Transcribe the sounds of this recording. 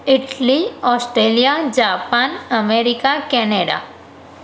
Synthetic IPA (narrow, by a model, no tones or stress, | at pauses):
ɪʈliɔːsʈɾeːlijad͡ʒaːpaːnəmeːɾɪkakɛːneːɖa̰